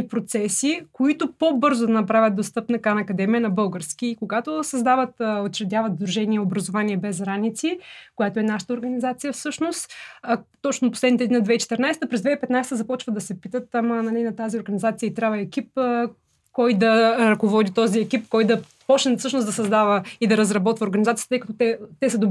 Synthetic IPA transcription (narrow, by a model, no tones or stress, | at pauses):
ipɾot̪sɛsikoit̪ʊpobɤɾzʊd̪ɐnɐpɾavʲət̪̚d̪ost̪ɤpnɐkanɐkɐd̪ɛmiənɐbɤlˠɡəɾskiːkoɡat̪osɐzd̪avət̪ot͡ʃɾɛd̪ʲavət̪zd̪ɾuʒɛniɛobɾɐzovaniɛbɛzɾanit̪sikʊjat̪oɛnaʃə̥t̪əoɾɡɐnizat̪sijəfsɤʃnost̪t̪ɔt͡ʃnoposlɛd̪nit̪ɛd̪nʲiɐd̪vɛit͡ʃɛ̥t̪ɛɾnajst̪əpɾɛzd̪vɛipɛt̪najst̪əzɐpɔt͡ʃvəd̪ɐsɛpit̪ət̪amɐnɐlʲinɐt̪azioɾɡɐnʲizat̪siəit̪ɾʲavɐɛkʲip̚ | kɔjd̪ɐɾɐkovɔd̪it̪ɔziɛkʲip̚kɔjd̪ɐ | pɔt͡ʃnɛfsɤʃnosd̪ɐsɐzd̪avəid̪ɐɾəzɾɐbɔt̪vəoɾɡənizat̪siə̥t̪t̪ɤjkɐt̪ot̪ɛt̪ɛsəd̪ʊ